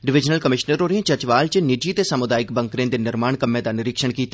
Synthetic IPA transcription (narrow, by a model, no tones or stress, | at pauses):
ɖɪʋɪd͡ʒnəlkəmɪʃnəɾɦoːɾeẽːt͡ʃət͡ʃʋaːlt͡ʃənɪd͡ʒiːt̪eːsəmʊd̪aːɪkbəŋkɾẽːd̪eːnɪɾmaːɳkəmːẽːd̪aːnɪɾɪkʃəɳkiːt̪ː